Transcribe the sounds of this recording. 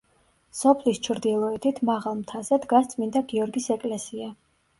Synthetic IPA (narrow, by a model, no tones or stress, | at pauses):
sɔpʰlist͡ʃʰɾd̪ilˠɔɛt̪ʰit̪ʰmaʁalˠmt̪ʰazɛd̪ɡast̪sʼmind̪aɡiɔɾɡisɛkʼlɛsia